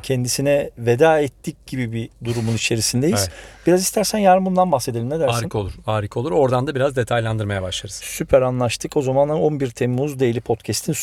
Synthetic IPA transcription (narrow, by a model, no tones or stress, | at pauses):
cʰɛnd̪isinɛved̪aːɛt̪ʰːic̚ɟibibid̪uɾumunit͡ʃʰe̞ɾisind̪e̞jizb̥iɾazist̪ʰæɾsænjaɾɯmbund̪anbaxse̞d̪elʲimneæɾɾkʰolˠuɾaːɾɯkʰolˠuɾo̞ɾd̪and̪abiɾazd̪e̞t̪ʰajlʲˠand̪ɯɾmajabaʃlˠaɾɯz̥sypʰæɾanlˠaʃt̪ʰɯko̞zamanaonbiɾt̪ʰemːuzd̪ejilʲipʰo̞t̪cʰɛst̪ʰin